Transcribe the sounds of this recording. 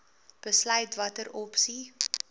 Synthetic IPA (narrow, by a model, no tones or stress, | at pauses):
b̥əslœɥtvɐtəɾɔpsi